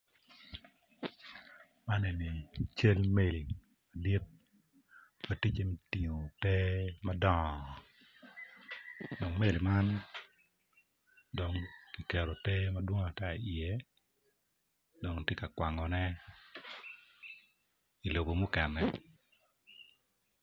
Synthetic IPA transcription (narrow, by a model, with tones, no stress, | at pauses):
ma˦nɛ˨ni˨t͡ʃe˦lme˦˨li˨ | ma˨di˦t̚ | ma˦ti˦t͡ʃe˦m˦ti˨ŋo˨tɛ˦ma˦dɔ˦ŋ˨ | dɔ˨ŋme˦li˨ma˦n | do˨ŋki˨kɛ˨ɾo˨tɛ˦ma˦dwo˦ŋa˨ta˦i˨i˨ɛ˨ | do˨ŋte˦ka˨kwa˨ŋɔ˨nɛ˦ | i˨lo˨bo˨mʊ˦kɛ˨nɛ˨